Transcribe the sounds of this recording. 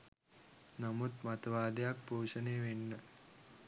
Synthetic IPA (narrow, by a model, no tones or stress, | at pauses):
nɐmut̪mɐt̪ɐʋaːd̪ejak̚poːʂɐneːʋenːə